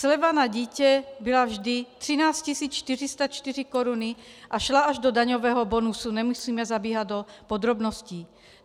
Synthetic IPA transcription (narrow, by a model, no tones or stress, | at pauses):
slɛʋanaɟicɛbilavʒd̪it̪ɾinaːscisiːt͡sʃt̪iɾist̪at͡ʃt̪iɾikɔɾuniʔaʃlaaʒd̪ɔd̪aɲɔʋɛːɦɔbɔnusunɛmusiːmɛzabiːɦad̪ɔpɔd̪ɾɔbnɔsci